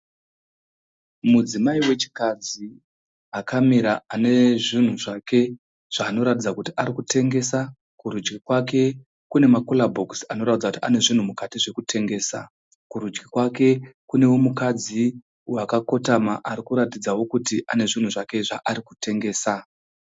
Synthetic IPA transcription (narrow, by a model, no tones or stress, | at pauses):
mud͡zimaiwe̞t͡ʃi̥kad͡zi | akamiɾaane̞ʐin̤uʐake̞ | ʐ̥aːno̞ɾatid͡zakutiaɾikutʰe̞ŋɡe̞sa | kuɾud͡ʒɡikwak̬e̞ | kune̞makolabʱo̞ksano̞ɾatid͡zakutiane̞ʐin̤umukatiʐe̞kutʰe̞ŋɡe̞ːsa̰ | kuɾud͡ʒɡikwake̞kune̞wo̞mukad͡zi | uwakako̞tamaʔaɾikuɾatid͡zawo̞kutiʔa̰ne̞ʐin̤uʐake̞ʐaʔaɾiku̥te̞ŋɡe̞ːsa